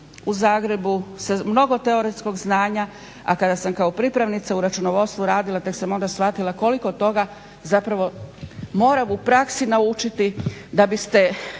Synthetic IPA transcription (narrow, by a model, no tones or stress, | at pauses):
uzaːɡɾe̞busemno̞ɡo̞t̪eo̞ɾesko̞ɡznaːɲa | a̰kad̪asamkaopɾipɾaʋnit̪sauɾat͡ʃunoʋo̞st̪ʋuɾaːd̪ilˠat̪e̞ksamo̞nd̪asʋat̪ilˠako̞liko̞t̪ːo̞ɡa | zapɾaʋo̞mo̞ːɾamupɾaksinaut͡ʃit̪id̪abist̪e̞